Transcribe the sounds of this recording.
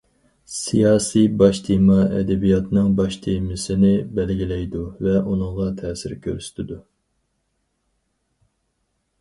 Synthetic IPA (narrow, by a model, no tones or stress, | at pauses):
sijɑːsijbɑʃt̪ʰimɑɛ̰d̪ɛbijɑt̪ʰnɨŋbɑʃt̪ʰemɪsɪnɪbɛlɡʲilɛjd̪uvɛʔunɨŋʁɑt̪ʰɛːsɪɾkʲʰø̰ɾsy̥t̪ʰɪd̪u